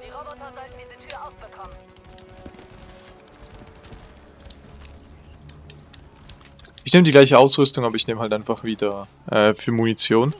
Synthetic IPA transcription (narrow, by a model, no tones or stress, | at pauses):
ʔɪçneːmədiːɡlaɪçəʔaʊsʁʏstʊŋaːbɐɪçneːməɦaltaɪnfaχv̥iːdɐ | ʔɛːfyːɐmunit͡sjoːn